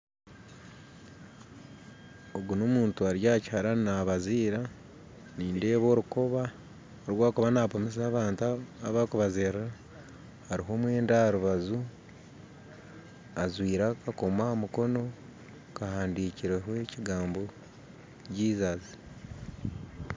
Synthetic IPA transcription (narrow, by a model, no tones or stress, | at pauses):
oɡunomuːntuaɾjaːchaɾanaβaziːɾa | niːnde̞βo̞ːɾukoβa | oɾwaːkuβanapomes̬aːβaːntaːβakuβazerra | haɾiɦo̞ːmwe̞ːndaɾuβazu | azwiːɾakako̞mwamuko̞no̞ | kahaːndiːciɾeɦwe̞ciɡaːmbo̞ | ɟiːzazi